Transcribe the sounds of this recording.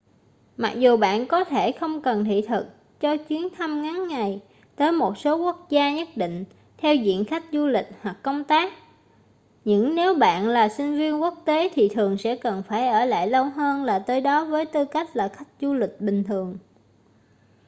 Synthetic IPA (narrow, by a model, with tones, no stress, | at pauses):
ma˨˩k̚zu˨˩ɓa̰ː˧˨nkɔ˨˦t̪ʰe˧˩xə˧wŋ͡mkə˨˩nt̪ʰḭ˧˨t̪ʰɨ˨˩k̚ | t͡ɕɔ˧t͡ɕwi˨˦ənt̪ʰa˧mŋa˨˦nːa˨˩j | t̪əː˨˦jmo˨˩t̚so˨˦ku˦˥ək̚zaː˧ɲə˦˥t̚ɗḭ̈˧˨ŋ̟ | t̪ʰɛ˧wzḭ˧˨ənxa˦˥jk̟̚zu˧lï˨˩k̟̚hwa˨˩kːə˧wŋ͡mt̪aː˦˥k̚ | ɲɨ̰˧˥ŋne˨˦wɓa̰ː˧˨nlaː˨˩sï˧ŋ̟vi˧ənku˦˥ək̚t̪e˨˦t̪ʰi˨˩t̪ʰɨ˨˩əŋsɛ̰˧˥kə˨˩nfaː˧˩jʔəː˧˩la̰ː˧˨jlə˧wɦəː˧nlaː˨˩t̪əː˨˦jɗɔ˨˦vəː˨˦jt̪ɨ˧ka˦˥jk̚laː˨˩xa˦˥jk̟̚zu˧lï˨˩k̟̚ɓï˨˩ŋ̟t̪ʰɨ˨˩əŋ